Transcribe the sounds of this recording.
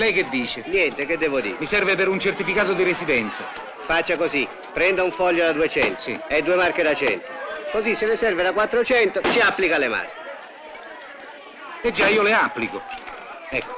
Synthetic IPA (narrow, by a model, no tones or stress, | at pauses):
lɛjk̟ed̪ːiːt͡ʃenjɛnt̪ek̟ed̪ːɛvod̪ḭːɾmisɛrvepeɾunt͡ʃert̪ifikaːt̪od̪iɾesid̪ɛnt̪sa̰ | fat͡ʃːakozi | pːɾɛnd̪auɱfɔʎːod̪ad̪uet͡ʃɛnt̪o̥sḭɛd̪ːuemarked̪at͡ʃɛ̰nt̪okozisːelɪsɛrved̪akwat̪ːɾot͡ʃɛnt̪ot͡ʃiapːlikalema̰rke | ed͡ʒːaiːoleapːliko | ɛkːo̥